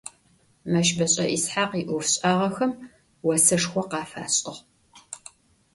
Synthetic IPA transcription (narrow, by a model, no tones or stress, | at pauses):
mɐʃbɐɕʼɐʔisħaːqiːʔʊfɕʼaːʁɐxɐm | wɔsɐʂxʷɔqɑːfa̰ːɕʼɪʁ